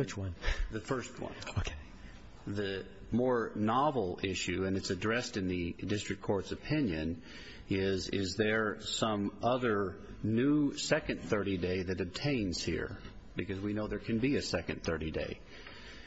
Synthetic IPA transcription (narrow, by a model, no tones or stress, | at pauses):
wɨt͡ʃwʌ̃nðɨfɜ˞st̚wʌ̰̃nokʰe | ðɨ | mɔɹnɑvl̩ˠɪʃʉɨ̃nɨtsɨdɹɛstɨ̃nðɨdɪstɹ̥ɨkʰɔɹtsɨpʰɪ̃njɨ̃n | ɪzɪ̰zðə˞sʌ̃mʌðə˞nʉsɛkɨ̃nθɜ˞ɾideɪðɨɾɨb̚tʰẽɪ̃nz̥hḭɹ | b̥ɨkʰʌzwinoʊðə˞kʰɨ̃nbiɨsɛkɨ̃nθɜ˞ɾidḛɪ